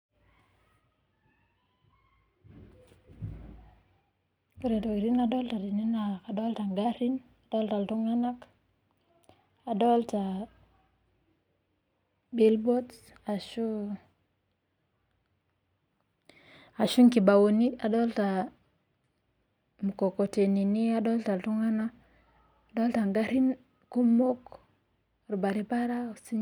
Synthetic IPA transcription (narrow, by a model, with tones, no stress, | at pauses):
ku˦ɾe˨to˨ɡi˨ɾi˦na˨do˦lta˨di˨ni˦na˨ka˨do˦lta˨ŋɡa˦ɾi˦n | a˨do˦lta˨ltu˦ŋa˦na˦k | a˨do˦lta˨ | bi˦lbo˦ts | a˨ʃu˦ | a˨ʃu˦ŋki˨ba˨wo˨ni˦a˨do˦lta˨ | mu˨ko˨ko˨te˨ni˨ni˦a˦do˦lta˨ltu˦ŋa˦na˦k | a˨do˦lta˨ŋɡa˦ɾi˦n | ku˦mo˦k | ɾu˨ba˨ɾi˦pa˦ɾa˦˨si˦